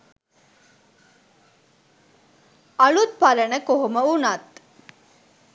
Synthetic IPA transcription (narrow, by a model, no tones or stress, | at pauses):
ɐɭut̪̚pɐɾənəkoɦoməunat̪